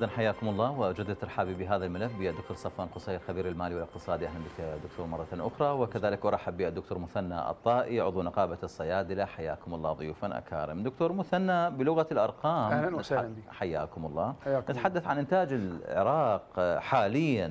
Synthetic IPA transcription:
ðˤɑnħajːaːkʊmɑlˤːɑːwɪd͡ʒad̪ːat̪ːɪɾˤħaːbibɪɦaːðalmalafbɪjad̪ʊkt̪oːɾsˤɑfwaːnqʊsˤejɪlxabiːɾɪlmaːliwɪlɪq̚t̪ɨsˤɑːd̪iʔaɦlanbɪkd̪ːʊkt̪ʰoːɾmɑrˤːɑt̪nʔʊxɾˤɑwɪkaðaːlɪkʔɑɾˤɑaħabːiʔad̪ːʊk̚t̪oːɾmʊθanːa̰ʔɨ̰t̪ˤːɑːʔiʕʊðˤunɑqɑːbasˤːɑjaːd̪ɪlaħajːa̰ːkʊmɑlˤːɑːðˤʊjuːfanʔa̰ka̰ːɾɪ̰md̪ʊk̚t̪oːɾˤmʊθanːabɪlʊɣalʔɑɾˤqɑːm | ħajːa̰ːkʊmɑlˤːɑːnɪt̪ḁħad̪ːaθʕanʔɪnt̪aːd͡ʒɪlʕɪ̰ɾˤɑːqħaːlɪjːan

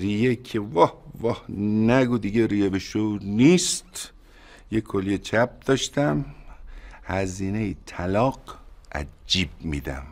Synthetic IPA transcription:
rijekʰevɒhvɒhnæɡud̪iɡeɾiːjebeʃonist̪ | jekʰoliet͡ʃʰæp̚d̪̥ɒːʃt̪æm | hæziːnejit̪ʰælɒːqʔæ̰d͡ʒiːb̚mḭd̪æ̰m

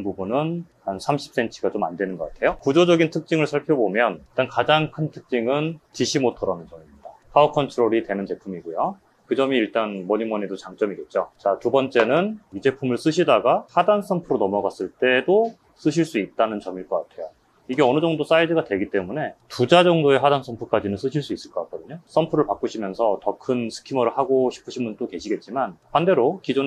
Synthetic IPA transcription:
npubunɯnhansʰamɕʰi̥p̚s͈e̞nt͡ɕʰiɡat͡ɕoma̰ndwe̞nɯnɡʌk͈atʰe̞jokud͡ʑod͡ʑʌɡintʰɯk̚t͡ɕ͈iŋɯɭsʰaɭpʰjʌbomjʌniɭt͈ankad͡ʑaŋkʰɯntʰɯ̥k̚t͡ɕ͈iŋɯntiɕʰimotʰoɾanɯnt͡ɕʌmimɲidakʰaokʰʌntʰɯɾoɾidwe̞nɯnt͡ɕe̞pʰumiɡujo | kɯd͡ʑʌmiːɭt͈anmʌɲimʌnedot͡ɕaŋt͡ɕ͈ʌmiɡe̞t̚t͡ɕ͈ot͡ɕatubʌnt͡ɕ͈e̞nɯnid͡ʑe̞pʰumɯɭs͈ɯɕʰidaɡahadans͈ʰʌmpʰɯɾonʌmʌɡas͈ɯɭt͈e̞do | s͈ɯɕʰiɭs͈uit̚t͈anɯnt͡ɕʌmiɭk͈ʌk͈atʰe̞jo | iɡe̞ʌnɯd͡ʑʌŋdos͈aidɯɡadweɡit͈e̞mune̞tud͡ʑad͡ʑʌŋdoe̞ɦadans͈ʰʌmpʰuk͈ad͡ʑinɯns͈ɯɕʰiɭs͈uis͈ɯɭk͈ʌk͈ak͈ʌdɯɲos͈ʰʌmpʰɯɾɯɭpak͈uɕʰimjʌnsʰʌtʌkʰɯnsʰɯ̥kʰimʌɾɯɭɦaɡoɕʰi̥pʰɯɕʰimunt͈oke̞ɕʰiɡe̞t̚t͡ɕ͈imanpande̞ɾokid͡ʑon

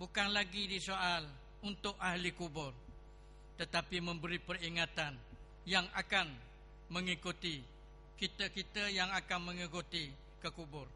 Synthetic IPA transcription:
bukanlaɡidisoal | unt̪ʊk̚ahlikubʊr | t̪ət̪apimə̃mbəɾipəriŋat̪an | jaŋakan | məŋikut̪i | kit̪əkit̪əjaŋakanmə̃ŋikut̪i | kəkubʊr

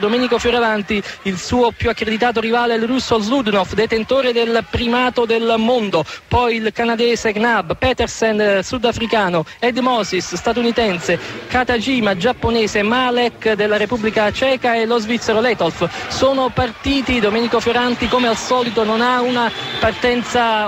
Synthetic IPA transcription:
d̪omɛːnikofjoɾavant̪iilsuːopjuakːɾed̪it̪aːt̪̬orivaːlelrusːolzlud̪nofd̪et̪ent̪oːɾed̪elpɾimaːt̪od̪elmond̪opɔjilkanad̪ɛːzeɡnabpɛt̪ɛrsɛnsud̪afɾikaːnoɛd̪mɔsisst̪at̪unit̪ɛnsekat̪ad͡ʒiːmad͡ʒapːonɛːzemalɛkd̪elːaɾepubːlikat͡ʃɛːkaelːozvit̪sːeɾolɛt̪olfsoːnopart̪iːt̪id̪omɛːnikofjoɾant̪ikomealsɔːlit̪ononaunapart̪ɛnt̪sa

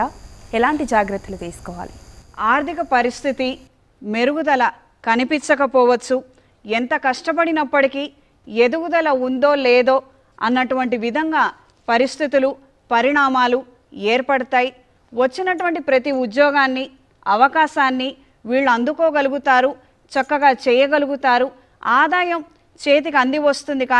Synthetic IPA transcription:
aːɛlaːɳʈid͡ʒaːɡɾɐt̪ːɐlut̪iːsu̥kɔːʋa̰ːliaːɾd̪ʱikɐpɐɾist̪ʰit̪i | me̞ɾuɡud̪ɐlɐ | kɐnipint͡ʃɐkɐpɔːʋɐt͡ʃːu | ent̪ɐkɐʂʈɐp̬ɐɽinɐpːɐʈikiː | ed̪uɡud̪ɐlɐund̪o̞ːlɛːd̪o̞ː | ɐnːɐʈuʋɐɳʈiʋid̪ʱɐŋɡaː | pɐɾist̪ʰit̪ulu | pɐɾiɳaːmaːlu | eːɾpɐɽɐt̪aːji | ʋɐt͡ʃːinɐʈuʋɐɳʈipɾɐt̪iud̪jɔːɡaːnːi | ɐʋɐkaːʃaːnːi | ʋiːɭːuɐnd̪ukoːɡɐluɡut̪aːɾu | t͡ʃɐkːɐɡaːt͡ʃɛːjɐɡɐluɡut̪aːɾu | aːd̪aːjɐm | t͡ʃeːt̪̬ikɐnd̪iʋɐst̪und̪ikaː

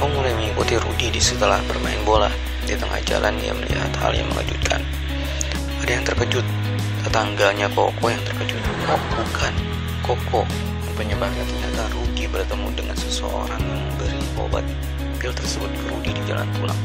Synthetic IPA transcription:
pəmulajməŋikut̪iɾṵdidisit̪əlahbərmaɪnbolah | dit̪əŋʔa̰hd͡ʒa̰lʔanja̰məlḭɦa̰t̪ha̰lja̰ŋmə̰la̰d͡ʒut̪̚kʰa̰n | adajaŋt̪ərkəd͡ʒʊt̪̚ | ət̪aŋɡalɲako̰kɔjaŋt̪ərkəd͡ʒʊt̪̚kɔbukʰan | kokʰɔ | pəɲəbap̚ɲat̪ərɲa̰t̪aruɡibərt̪əmṵdəŋansəsəo̰ɾaŋjaŋməmbəɾiko̰ba̰t̪̚ | bɪlt̪ərsəbʊt̪̚kəɾṵɡidid͡ʒala̰npula̰ŋ

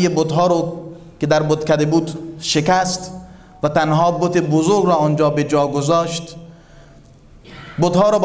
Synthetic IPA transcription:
jebot̪ɦɒːɾɔ | ked̪æɾbot̪kæd̪ebuːd̪ʃekæst̪ | væt̪ænɦɒːbot̪ebozoɾɡɾɔːɔnd͡ʒɒːbed͡ʒɒːɡozɔːʃt̪ | bot̪hɒːɾɔːb

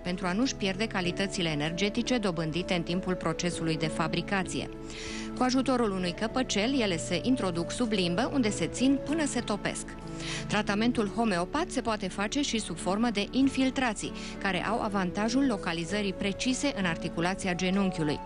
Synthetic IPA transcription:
pe̞nt̪ɾuanuʃpje̞rd̪e̞kalit̪ət̪sile̞ːne̞rd͡ʒe̞t̪it͡ʃe̞d̪o̞bɨnd̪it̪e̞ɨnt̪impulpɾo̞t͡ʃe̞sulujd̪e̞fabɾikat̪sijḛ | kuaʒut̪o̞ɾulunujkəpət͡ʃe̞lje̞le̞se̞ʔint̪ɾo̞d̪uksublimbəʔund̪e̞se̞t̪sinpɨnəse̞t̪o̞pe̞̰sk | t̪ɾat̪ame̞nt̪ulho̞me̞o̞pat̪se̞poat̪e̞fat͡ʃe̞ʃisubfo̞rməd̪e̞ʔinfilt̪ɾat̪sḭ | kaɾe̞̰ʔa̰wʔa̰vant̪aʒulːo̞kalizəɾipɾe̞t͡ʃise̞ʔɨnart̪ikulat̪siad͡ʒe̞nuŋkʲulṵj

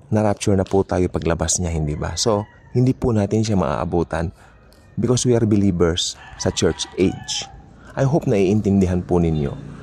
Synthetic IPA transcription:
nɐɾap̚t͡ʃʊɹnɐpʊt̪aːjopɐɡlɐbasɲahɪnd̪iba̰so̞ | hɪnd̪ipʊnaːt̪ɪnʃamɐ̰ʔa̰ːʔɐ̰buːt̪ɐ̰n | bɪkoswiʔaɹbɪliːbɛɹsːɐt͡ʃɛɹt͡ʃʔed͡ʒ | ʔajɦop̚nɐʔiːʔɪnt̪ɪnd̪ɪɦanpʊnɪnjo̞̰

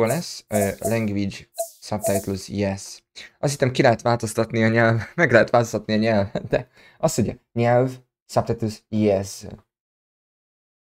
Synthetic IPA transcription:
olɛslɛŋɡviɟsɒp̚t̪ɛjt̪lusjɛs | ʔɒshisɛmkilɛɦɛt̪ʋaːlt̪o̞st̪ɒt̪niɒɲɛlvmɛɡlɛɦɛt̪ʋaːlt̪o̞st̪ɒt̪niɒɲɛlvɛt̪d̪ɛ | ɒst̪oɟɛɲɛlv | sɒp̪̚ɛjt̪lusjɛs

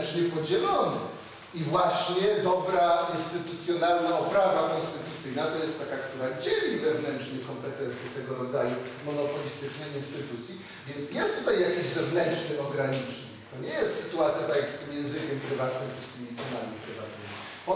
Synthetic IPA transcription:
t͡ʂɲɛpɔd͡ʑɛlɔn | ivwaɕɲɛd̪ɔbɾainst̪ɘt̪ut̪sʲjɔnalnaɔpɾavakɔ̃nst̪ɘt̪ut̪sɘjnat̪ɔjɛst̪ːakakt̪uɾad͡ʑelʲivɛvnɛntt͡ʂɲɛkɔmpɛt̪ɛnt̪sʲjɛt̪ɛɡɔɾɔd̪zajumɔnɔpɔlʲist̪ɘt͡ʂnɛjinst̪ɘt̪ut̪sʲji | vʲjɛnt̪sjɛst̪ut̪ajjakʲiʑzɛvnɛnt͡ʂnɘʔɔɡɾaɲit͡ʂɲḭkt̪ɔɲɛjɛst̪sɘ̥t̪uat̪sʲjat̪akʲikst̪ɘmjɛ̃zɘkʲɛmpɾɘvat̪nɪmfʂɨskʲimʲit̪sʲjɛnamʲipɾɘvat̪nɪmʲi | ɔ

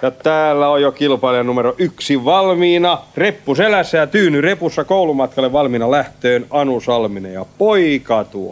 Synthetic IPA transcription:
jɑt̪æːlːæojjokilpɑilɑnumeroʔyksiʋɑlmiːnɑrepːuselæsːæjɑt̪yːnyrepusːɑkoulumɑt̪kɑlːˑeʋʋɑlmiːnɑlæht̪øːnɑnusɑlminḛjɑpoikɑt̪uo

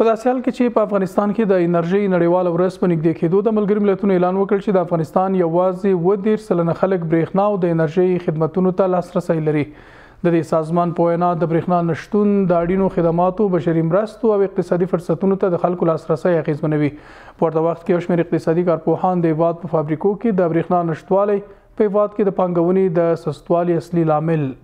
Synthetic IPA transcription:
pəd̪ɑsehɑlket͡ʃepəafɣɑnɪst̪ɑnked̪əɪnaɾʒəjnaɽewɑlawɾəzpənɪɡ̚d̪eked̪od̪əmalɡəɾomɪlat̪unoelɑnwəkəɭt͡ʃed̪əafɣɑnɪst̪ɑnjawɑzewəd̪eɾsəlanaxaləkbɾexnɑːwd̪əɪnaɾʒəjxɪd̪mat̪unot̪alɑsɾasajlaɾi | d̪əd̪esɑzmɑnpəwajnɑd̪əbɾexnɑnaʃt̪und̪əaɽinoxɪd̪amɑt̪obaʃaɾimɾəst̪oawɪq̚t̪ɪsɑd̪ifʊɾsat̪unot̪ad̪əxalkolɑsɾasajaɣezmanawi | pəwaɾt̪awaxt̪̚kejawʃmeɾɪq̚t̪ɪsɑd̪ikɑɾpohɑnd̪əhɪfɑd̪̚pəfabɾikoked̪əbɾexnɑnaʃt̪wɑlaj | pəhɪfɑd̪̚ked̪əpɑŋɡawəned̪əsast̪wɑliaslilɑmɪl

